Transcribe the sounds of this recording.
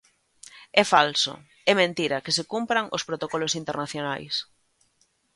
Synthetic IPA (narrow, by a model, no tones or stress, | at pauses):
ɛfalso̰ | ɛmẽnt̪iɾakɪsekumpɾaŋospɾot̪okɔlosint̪ernaθjonajs